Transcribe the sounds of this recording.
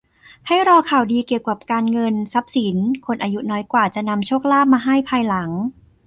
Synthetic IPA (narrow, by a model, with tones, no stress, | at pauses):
ha˥˩jɾɔː˧kʰaː˨˩wdiː˧ki˨˩əwka˨˩p̚kaː˧nŋɤ˧nsa˦˥p̚si˩˦nkʰo˧nʔaː˧ju˦˥nɔː˦˥jkwaː˨˩t͡ɕa˨˩ʔna˧mt͡ɕʰuː˥˩k̚laː˥˩p̚maː˧ɦa˥˩jpʰaː˧jla˩˦ŋ